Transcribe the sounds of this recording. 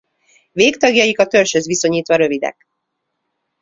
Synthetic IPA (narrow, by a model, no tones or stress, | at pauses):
veːkt̪ɒɡjɒjikɒt̪ø̞lʃøzʋiso̞ɲiːt̪ʋɒɾø̞vid̪ɛ̰k